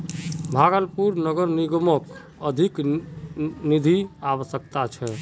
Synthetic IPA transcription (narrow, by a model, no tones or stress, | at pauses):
bʱaɡəlpuɾnəɡəɾniɡəmək | əd̪ʱik | nid̪ʱiaβəsək̚t̪at͡ʃʰɛ